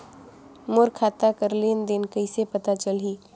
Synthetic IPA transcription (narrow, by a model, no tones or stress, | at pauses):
mʊɾkʰaːt̪akəɾlind̪ɪnkəɪsepɐt̪at͡ʃəliː